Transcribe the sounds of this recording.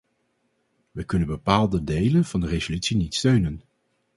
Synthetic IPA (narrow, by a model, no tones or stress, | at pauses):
ʋəkɵnənbəpaːlˠdədejlənv̥ɑndərezolytsinitstøɥnən